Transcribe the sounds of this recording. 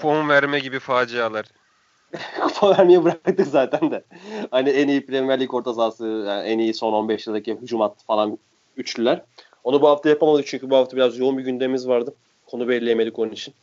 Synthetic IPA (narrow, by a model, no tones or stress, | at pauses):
pʰomunvæɾmɛɟibifaːd͡ʒijalˠaɾ̥ | fʰovæɾmijɛbɯɾak̪̚ak̚t̪ɯkzaːt̪ʰænd̪ɛhaniɛnijipɾemæɾlʲiko̞ɾt̪ʰazaːsɯjaʔɛnijiso̞no̞nbɛʃjɯlˠd̪aciɦud͡ʒumat̪̚ːɯ̥falˠan | yt͡ʃlʲylʲæɾ̥ | o̞nabuɦaft̪ajapʰamabad̪ɯk̚t͡ʃʰyɲcʰybuhaft̪ʰabiɾazjo̞umbiɟynd̪eimizvaɾd̪ɯ | kʰo̞nubelʲlʲejeme̞lʲikʰo̞nunit͡ʃʰin